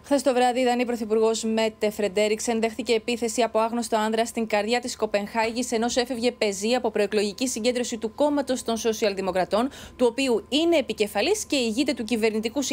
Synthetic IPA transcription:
xθest̪o̞vɾɐðiiðɐnipɾo̞θipuɾɣo̞zme̞t̪ːefɾe̞d̪e̞ɾikse̞nðe̞xθice̞ːpiθe̞siɐpo̞ɐɣno̞st̪o̞ɐnðɾɐst̪iŋɡɐɾðʝɐt̪isko̞pe̞ŋxɐʝise̞no̞se̞fe̞vʝe̞pe̞ziɐpo̞pɾo̞eklo̞ʝicisiɲɟed̪ɾo̞sit̪uko̞mɐt̪o̞st̪o̞nso̞siɐlðimo̞kɾɐt̪o̞nt̪uo̞piuine̞ːpice̞fɐlisce̞iʝit̪et̪ucive̞ɾnit̪ikus

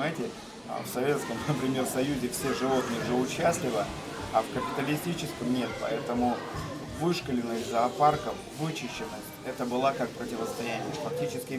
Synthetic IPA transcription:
ajɪtʲɪ̰ | fsɐvʲe̞t̪skəmnəpɾʲɪmʲe̞rsɐjuzʲɪfsʲeʐɨvo̞t̪̚nɨjʐəʊt͡ɕːæsʲlʲɪvə | ɐfkəpʲɪt̪əlʲɪsʲtʲit͡ɕɪskəmnʲe̞t̪pɐ̰ɛt̪əmʊ | vɨʂkəlʲɪnːɨjʲzɐːparkəf | vɨt͡ɕɪɕːɪnɨx | ɛt̪əbɨlˠakak̚pɾətʲɪvəst̪ɐjænʲɪ̰jəfɐk̚tʲit͡ɕɪskʲɪ

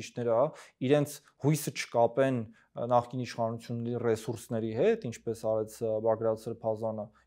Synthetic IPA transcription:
it͡ʃnɛɾəɑiɾɛnt͡sʰ | hujsət͡ʃʰə̥kɑpɛn | nɑχkiniʃχɑnut͡sʰjunːɛɾirɛsuɾsnɛɾiɦɛt̪int͡ʃʰpɛsɑɾɛt͡sʰbɑɡɾɑt͡sʰɛɾpʰɑzɑnə

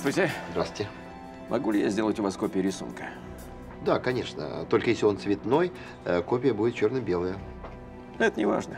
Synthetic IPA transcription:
stʲɪzd̪ɾaswʲɪtʲɪ | mʔɐ̰ɡulʲɪjazʲdʲelˠətʲʊvaskopʲɪɪɾʲɪsṵnkə̥ | d̪akɐnʲe̞ʂnə̰t̪o̞lʲkəjesʲlʲɪo̞nt̪svʲɪt̪no̞j | əko̞pʲɪjəbudʲɪt̪̚t͡ɕo̞rnəbʲe̞lˠəjə | ɛt̪ənʲɪva̰ʐnə

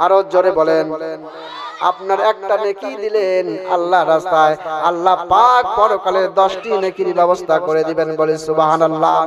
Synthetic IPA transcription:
aɾod͡ʑoɾebɔlen | a̰pnaɾɛk̚ʈanekid̪ilena̰lːaɾːast̪aealːapak̚pɔɾokaleɾd̪ɔʃʈinekiɾibɛbost̪ʰakoɾed̪ibenbolisubɦanalːa

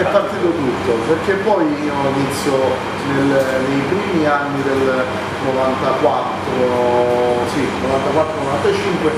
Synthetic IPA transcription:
ɛpːart̪iːt̪ot̪ut̪ːoperk̟ːepːɔjioinit̪sːjo | nelnejpɾiːmianːid̪el | novant̪akwat̪ːɾoo | sinovant̪akwat̪ːɾonovant̪at͡ʃiŋkwe

